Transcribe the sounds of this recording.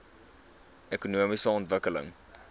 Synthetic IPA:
ʔekunuəmisəɔntvəkələ̰ŋ

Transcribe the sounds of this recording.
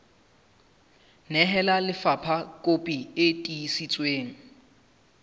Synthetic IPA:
nɛɦɛlalɪfapʰakʼopʼietʼiːsit͡sʼweːŋ̩

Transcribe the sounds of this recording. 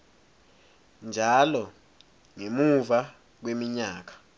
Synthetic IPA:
nd͡ʒʱalɔ | ŋemuva | k̬wemiɲaːk̬ḁ

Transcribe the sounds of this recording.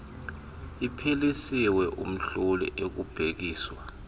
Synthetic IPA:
ipʰilisiwɛʔṵm̩ɬolḭʔek̬ub̥ʱek̬iːswa

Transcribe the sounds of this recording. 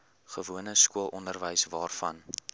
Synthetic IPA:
χəvuənəskuəlˠʔɔndərvəjsvɑːrfɐ̰n

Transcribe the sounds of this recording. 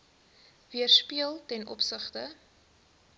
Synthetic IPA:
viərspiəlˠtɛnɔpsəχtə

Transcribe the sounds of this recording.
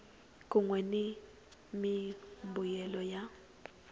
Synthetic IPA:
kʼuŋwɛni | mimbujɛlɔja

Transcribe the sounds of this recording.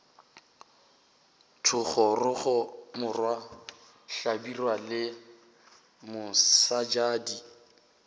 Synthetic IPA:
tʰʊχɔrʊχɔmʊrwa | ɬabirwalɪ | mʊsad͡ʒaːdi

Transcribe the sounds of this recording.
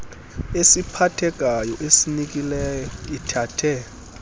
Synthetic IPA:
esipʰatʰɛɡ̥ʼʱajɔʔesinik̬ʼilɛjɔitʰaːtʰɛ

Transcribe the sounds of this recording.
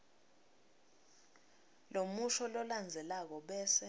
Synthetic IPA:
lomuʃɔlɔland͡zʱɛlak̬ɔɓɛːsɛ

